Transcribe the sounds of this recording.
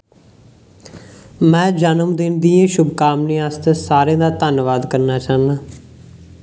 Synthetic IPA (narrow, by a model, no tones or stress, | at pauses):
mɛ̃ːd͡ʒənəmd̪ɪnd̪iːãːʃʊbkaːmneːaːst̪eːsaːɾẽːd̪aːt̪ənʋaːd̪kəɾnaːt͡ʃaːnaː